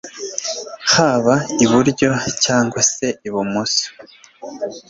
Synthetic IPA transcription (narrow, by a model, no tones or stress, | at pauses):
haβaiβuɾɟo̞caːŋɡwase̞iβumusu̥